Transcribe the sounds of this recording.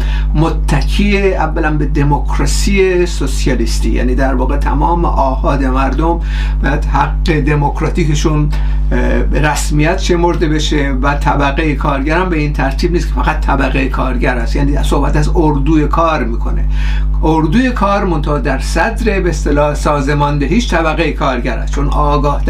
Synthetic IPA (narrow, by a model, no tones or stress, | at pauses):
mot̪ʰːækʰiːeævːælænbed̪emokʰɾɒsiːje̞sosijɒlist̪iːjæ̰ːniːd̪æɾvɒːɣet̪ʰæmɒːmḛʔɒːhɒːd̪e̞mæɾd̪om | b̥ææd̪hæɡːe̞d̪emokɾɒːt̪iːkeʃun | bɾæsmijæt̪ʃe̞mo̞ɾd̪e̞be̞ʃe | væt̪ʰæbæɣejekʰɒːɾɡæɾæmbe̞iːnt̪ʰæɾt̪ʰiːbniːskʰefæɣæt̪ʰːæbæɣejekʰɒːɾɟæɾæst̪jæːniːæso̞hbæt̪æzoɾd̪uːje̞kʰɒːɾmiːkʰo̞̰ne̞̰ | ʔoɾd̪uːje̞kʰɒːɾmo̞nt̪ʰod̪æɾsæd̪ɾe̞beːst̪elɒːhsɒːzemɒːnd̪eɦiːʃt̪ʰæbæɣejekʰɒːɾɡæɾæ̰st̪t͡ʃʰonɒːɡɒːh̪